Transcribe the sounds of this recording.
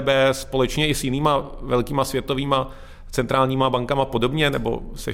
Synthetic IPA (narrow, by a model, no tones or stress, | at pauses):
bɛspo̞lɛt͡ʃɲɛʔɪsjɪniːmavɛlkiːmasvjɛt̪o̞viːma | t͡sɛnt̪ɾaːlɲiːmabaŋkamapo̞do̞bɲɛnɛbo̞̰sɛ̰